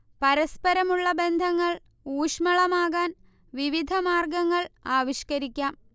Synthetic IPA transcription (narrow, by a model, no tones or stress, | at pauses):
pɐɾɐspɐɾɐmuɭːɐbe̞nd̪ʱɐŋːɐɭ | uːʂmɐɭɐmaːɣaːn | ʋiʋid̪ʱɐmaːrɡɐŋːɐɭaːʋiɕkɐɾikʲːaːm